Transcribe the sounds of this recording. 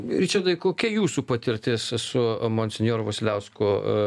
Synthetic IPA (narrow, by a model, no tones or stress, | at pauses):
ɾʲit͡ʃʲɛd̪ɐɪkoːkʲijuːsuːpɐt̪ʲɪɾʲt̪ʲɪssʊmoːnʲsʲɪnʲjoːɾʊʋɐsʲlʲɛʊskʊ